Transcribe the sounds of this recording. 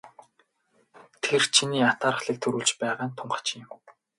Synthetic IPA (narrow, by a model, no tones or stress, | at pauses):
t̪ʰert͡ɕʰiniːat̪aːɾə̆χɮiːk̚t̪ʰɵɾuːɮt͡ɕpæːʁaːnt̪ʰʊɴɢə̥̆t͡ɕʰːɪm